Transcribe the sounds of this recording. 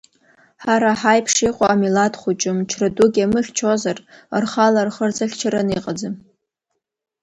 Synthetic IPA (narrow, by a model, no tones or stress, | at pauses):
ħaɾaħajpʰʂiqʷʼaːmilatχʷʊt͡ʃʼɨmt͡ʃʰraduɡʲamɨχʲt͡ʃʰozarrχalarχərt͡sʰʼaχʲt͡ʃʰaɾaniqʼad͡zɨm